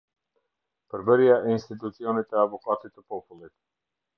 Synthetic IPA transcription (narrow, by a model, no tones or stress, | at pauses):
pɾbəɾijaʔinst̪it̪ut̪siɔnit̪ɛavokat̪it̪ɛpɔpulˠit̪